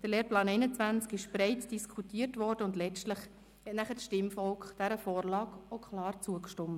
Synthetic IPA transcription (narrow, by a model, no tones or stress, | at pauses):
d̥əɾleːɾplɑːnɛɪnət͡sʋænt͡skɪʃb̥ɾɛɪtd̥iskʰutiːrtvʋɔɾd̥əʊndlɛt͡stləχ | hɛtnæχəʃtɪmfɔlkχd̥æɾəfɔːɾlɑːkokʰχlɑːɾt͡suəkʃtɔmə